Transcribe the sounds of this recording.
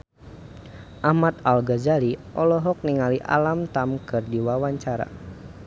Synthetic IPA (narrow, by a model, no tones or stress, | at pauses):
ʔamat̪̚alɡazaliʔɔlɔɦɔk̚niŋaliʔa̰lamt̪amkɨrdiwawaɲt͡ʃaɾa̰